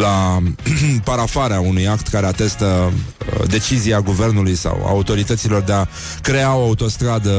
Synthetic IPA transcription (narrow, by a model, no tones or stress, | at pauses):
la | paɾafaɾeaunujakt̪kaɾe̞at̪e̞st̪ə | d̪e̞t͡ʃiziaɡuve̞rnulujsa̰wa̰ut̪o̞ɾit̪ət̪silo̞rd̪ea | kɾe̞ao̞aut̪o̞st̪ɾad̪ə